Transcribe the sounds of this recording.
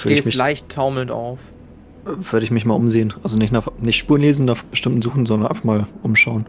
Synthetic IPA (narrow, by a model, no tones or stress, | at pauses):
v̥øɐəɪmɪlaɪçtʰːaʊml̩nta̰ʊf | ʔɛv̥ʏɐɾəɪçmɪçmaːlʔʊmzeːənʔalzonɪçtnaːχnɪçtʃpuːɐnleːzn̩naːχb̥əʃtɪmtn̩zuːχn̩zɔndɐnʔa̰ɪfaχmaːlʔʊmʃaʊən